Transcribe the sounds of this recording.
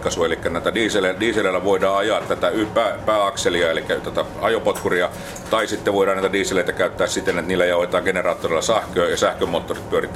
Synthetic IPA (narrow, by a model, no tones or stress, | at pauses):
kːɑsuɑelikːænæˑt̪ædiːselediːseleilæʋoidɑːɑjɑːt̪t̪æt̪æypæːpæːɑkseliɑːelikːæt̪æt̪æ | ɑjopot̪kuriɑ | t̪ɑisit̪ːeʋoˑiɾˑɑːnæˑit̪ædiːseleit̪ækæˑyt̪ːæːssit̪enet̪niːlːæjɑoet̪ɑːɡenerɑːt̪ːoreˑilːˑɑsæhkøːjɑsæhkømoːt̪ːorit̪pyørit̪ːˑ